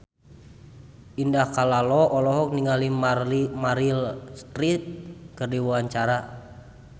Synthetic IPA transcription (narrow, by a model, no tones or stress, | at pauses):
ʔindahkalalɔʔɔlɔɦɔk̚niŋalimaimaɾilst̪ɾit̪̚kɨrdiwuaɲt͡ʃaɾa